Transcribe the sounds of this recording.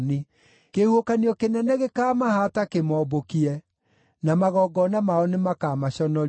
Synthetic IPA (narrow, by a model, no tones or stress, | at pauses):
ni | kehuokaniɔkenɛnɛɣekaːmahatakemɔbokiɛ | namaɣɔɡɔnamaɔnemakamaɕɔnɔ